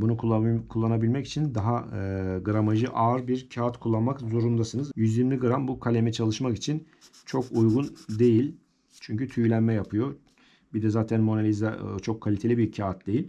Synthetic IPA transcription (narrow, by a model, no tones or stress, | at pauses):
bunukʰːkʰulˠːanabilʲmɛci̥t͡ʃʰind̪aɦaɡɯɾamaʒɯʔaːɾbiɾcʰaat̪kʰulˠːanmakzo̞ɾund̪asɯnɯzjyzjiɾmʲiɡɯɾambukʰalʲemɛt͡ʃʰalˠɯʃmakit͡ʃʰin | t͡ʃʰo̞kujɡund̪e̞jilʲ | t͡ʃʰyɲcyt̪ʰyjlʲænmɛjapʰɯjo̞ | bid̪ɛzaːt̪ʰænmo̞nalʲizat͡ʃʰo̞kʰːalʲit̪ʰe̞lʲibiɾcʰaat̪̚d̪e̞jilʲ